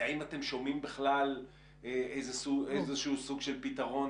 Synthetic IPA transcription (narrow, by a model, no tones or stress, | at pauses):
aimat̪e̞mʃo̞mimbeχlal | eʔejzesuejzeʃusuɡʃelpit̪aʁo̞n